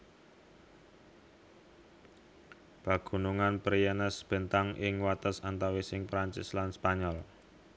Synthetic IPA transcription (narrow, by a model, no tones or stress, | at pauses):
b̥a̤ɡ̥ṳnuŋanpɾijɛnəsb̥ə̤nt̪aŋʔɪŋwat̪əsant̪awisɪŋpɾaɲt͡ʃɪ̰slanspaɲɔl